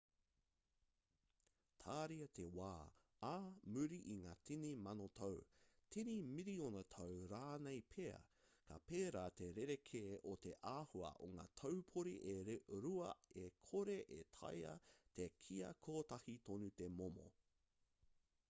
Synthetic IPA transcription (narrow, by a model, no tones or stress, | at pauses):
t̪ʰaːɾiɐtʰewaː | aːmʉɾiʔiŋaːtʰinimɐnot̪ʰɐwtʰinimiɾionɐtʰɐwɾaːnejpʰeɐ̰kʰa̰peːɾaːteɾeɾekʰeːʔot̪eʔaːhuɐ̰ʔo̰ŋa̰ːtʰɐwpʰoɾiʔeɾuɐ̰ekʰoɾeʔetʰɐ̰jɐ̰t̪ʰekʰiɐ̰kʰoːtɐhitonut̪emomo̰